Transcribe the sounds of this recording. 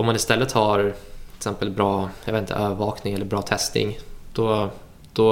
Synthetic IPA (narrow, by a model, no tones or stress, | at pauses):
ɔmanɪst̪ɛlːət̪hɑːɾʰɪ̥sɛmpəlbɾɑːjɑ̰veːt̪t̪ə̰ʔøːvəɾvɑːknɪŋɛlːəɾbɾɑːt̪ʰɛst̪nɪ̰ŋd̪̥ɔ | d̪̥ɔ